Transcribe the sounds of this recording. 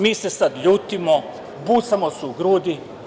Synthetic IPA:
miːsesad̪ʎuːt̪imo | buːt̪samosuuɡɾuːd̪i

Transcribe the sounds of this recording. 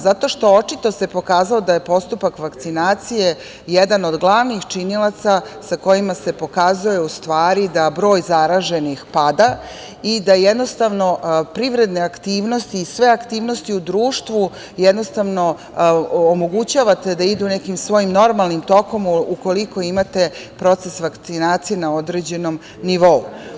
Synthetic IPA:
zat̪o̞ʃt̪o̞o̞t͡ʃit̪o̞se̞po̞kaːzalo̞d̪aje̞po̞st̪upakʋakt̪sinaːt̪sije̞ | jed̪ano̞d̪ɡlˠaʋnixt͡ʃinilˠat̪sasako̞jimase̞po̞kazujeust̪ʋaːɾid̪abɾo̞ːjzaɾaʒe̞nixpad̪a | id̪ajed̪no̞st̪aʋno̞pɾiʋɾe̞d̪ne̞akt̪iːʋno̞st̪iːsʋe̞akt̪iːʋno̞st̪iud̪ɾuːʃt̪ʋu | jed̪no̞st̪aʋno̞ː | mo̞ɡut͡ɕaːʋat̪e̞d̪aid̪unekimsʋo̞jimno̞ɾmalˠnimt̪o̞ko̞muko̞liko̞imat̪e̞pɾo̞t̪sesʋakt̪sinaːt̪sijenao̞d̪ɾe̞d͡ʑe̞no̞m | niʋo̞u

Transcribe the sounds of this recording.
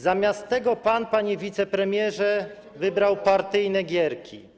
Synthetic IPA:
zamʲjast̪ːɛɡɔpanpaɲivʲit̪sɛpɾɛmʲjɛʐɛ | vɘbɾawpaɾt̪ɘjnɛɡʲjɛɾkʲʰḭ

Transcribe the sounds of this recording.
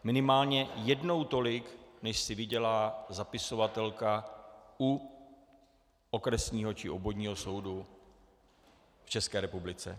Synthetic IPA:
mɪnɪmaːlɲɛjɛdno̞wt̪o̞lɪknɛʃsɪvɪɟɛlaːzapɪso̞vat̪ɛlkau | ʔokɾɛsɲiːɦo̞t͡ʃɪʔobo̞dɲiːɦo̞so̞wdu | ft͡ʃɛskɛːɾɛpublɪt͡sɛ̰

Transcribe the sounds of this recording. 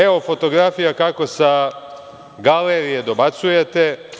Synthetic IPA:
eo̞fo̞t̪o̞ɡɾafijakako̞sa | ɡaleɾije̞d̪o̞bat̪suje̞t̪e̞

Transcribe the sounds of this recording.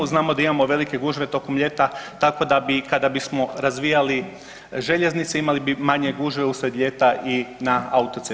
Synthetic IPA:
znaːmo̞d̪aimamo̞ʋe̞like̞ɡuːʒʋe̞t̪o̞komʎe̞t̪at̪ako̞d̪abikad̪abismo̞ɾazʋijali | ʒe̞ʎe̞znit̪seimalibimaɲe̞ɡuːʒʋe̞usʋed̪ʎe̞t̪aʔinaaut̪o̞t̪se

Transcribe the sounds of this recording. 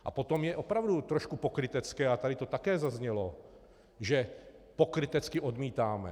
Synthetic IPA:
ʔa̰pot̪omjɛʔopɾavdut̪ɾoʃkupokɾɪt̪ɛt͡skɛːat̪adɪt̪ot̪akɛːzazɲɛlo | ʒɛpokɾɪt̪ɛt͡skɪʔod̪miːt̪aːmɛ̰

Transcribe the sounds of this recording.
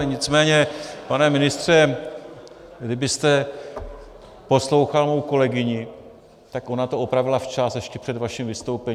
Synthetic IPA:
ɲɪt͡smɛːɲɛpanɛmɪnɪst̪r̝̥ɛ | ɡdɪbɪst̪ɛ | po̞slo̞wxalmo̞wko̞lɛɡɪɲɪ | t̪akʔo̞nat̪oʔopɾavɪlaft͡ʃasjɛʃcɛpr̝̥ɛdvaʃɪmvɪst̪owpɛɲi

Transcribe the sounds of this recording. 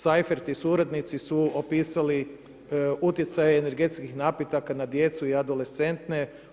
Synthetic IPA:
sajfeɾt̪isuɾad̪nit̪sisuopiːsali | ut̪jet̪sajeːne̞ɾɡe̞t̪skixnaːpjet̪akanad̪je̞t̪suiad̪o̞lest̪e̞nt̪ne

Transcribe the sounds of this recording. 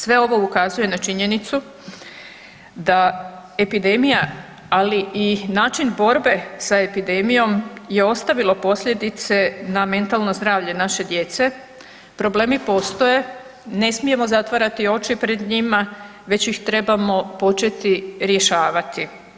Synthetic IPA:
sʋe̞o̞ʋo̞ukazuje̞nat͡ʃiɲe̞nit̪su | d̪a | e̞pid̪e̞mija | aliʔinaːt͡ʃinbo̞ɾbe̞sae̞pid̪e̞mijo̞mje̞o̞st̪aʋilo̞po̞sʎe̞d̪it̪se̞name̞nt̪alno̞zd̪ɾaːʋʎe̞naʃe̞d̪je̞t̪se̞ | pɾo̞ble̞ːmipo̞ːst̪o̞je̞ | ne̞smije̞mo̞zat̪ʋaɾat̪io̞t͡ʃipɾe̞d̪ɲima | ʋe̞t͡ɕjixt̪ɾe̞bamo̞po̞t͡ʃe̞t̪iɾje̞ʃaːʋat̪i

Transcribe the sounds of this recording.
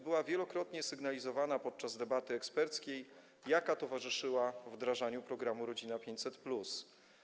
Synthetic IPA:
bɘwavʲjɛlɔkɾɔt̪ɲɛsɘɡnalʲizɔvanapɔt̪̚t͡ʂazd̪ɛbat̪ɘɛkspɛɾt̪skʲejː | akat̪ɔvaʐɘʂɘwavd̪ɾaʐaɲupɾɔɡɾamuɾɔd͡ʑinapʲjeɲt͡ɕʲsɛt̪plus

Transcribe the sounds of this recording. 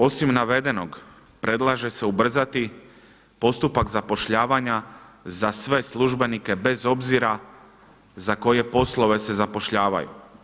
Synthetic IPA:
o̞simnaʋe̞d̪e̞no̞ɡ | pɾe̞d̪lˠaʒe̞se̞ubr̩zat̪i | po̞st̪upakzapo̞ʃʎaːʋaɲazasʋe̞slˠuʒbe̞nike̞be̞zo̞bziɾa | zako̞je̞po̞slˠo̞ʋe̞se̞zapo̞ʃʎaːʋa̰jṵ

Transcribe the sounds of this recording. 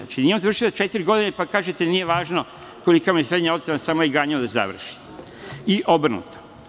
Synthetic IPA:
a̰t͡ʃinijeomzaʋr̩ʃilt͡ʃe̞t̪iɾʲɡo̞d̪inepakaːʒet̪eniːjeʋaːʒno | ko̞likamijesɾed̪ɲao̞t̪senasamojeɡaːɲod̪aza̰ʋr̩ʃi̥ | iʔobr̩nṵt̪o̥

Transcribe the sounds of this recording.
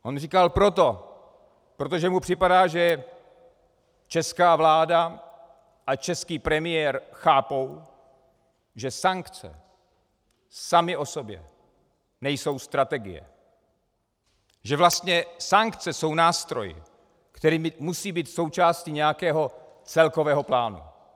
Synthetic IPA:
ʔonrikalpɾo̞t̪̬o | pɾo̞t̪oʒɛmupr̥ɪpadaːʒɛ | t͡ʃɛskaːvlaːda | ʔat͡ʃɛskiːpɾɛmɪjɛːɾxaːpo̞w | ʒɛsaŋkt͡sɛ̰ | samɪʔo̞so̞bjɛ̰ | nɛjso̞wst̪ɾat̪ɛɡɪ̰jɛ̰ | ʒɛvlast̪ɲɛsaŋkt͡sɛso̞wnaːst̪ɾo̞̰jɪ̰ | kt̪ɛɾiːmɪmusiːbiːt̪so̞wt͡ʃaːscɪɲɛjakɛːɦo̞ | t͡sɛlko̞vɛːɦo̞plaːnṵ

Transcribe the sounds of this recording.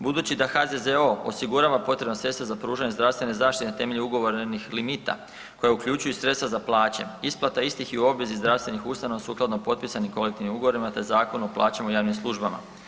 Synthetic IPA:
bud̪uːt͡ɕid̪axad̪ezeoo̰siɡuɾaːʋapo̞t̪ɾe̞bnasɾe̞t̪t̪ʋazapɾuːʒaɲe̞zd̪ɾaʋst̪ʋene̞zaːʃt̪it̪et̪e̞me̞ʎeuɡo̞ʋo̞ɾnixlimit̪a̰ | ko̞jaukʎut͡ɕujusɾet̪st̪ʋazaplˠaːt͡ɕe̞̰isplˠat̪aist̪ixiuo̞bʋe̞zizd̪ɾaʋst̪ʋe̞nixust̪anoasuːklˠad̪nopo̞t̪̚pisanimko̞le̞k̚t̪iʋnimuɡo̞ʋo̞ɾimat̪e̞zaːko̞nuoplˠaːt͡ɕamujaːʋnimslˠuʒbama̰

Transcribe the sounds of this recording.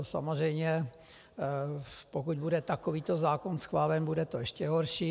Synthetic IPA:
sa̰mozrɛjmɲɛ | pokuɟbudɛt̪akoviːt̪ozaːkonsxvaːlɛnbudɛt̪oɛʃcʲɛɦoɾʃiː

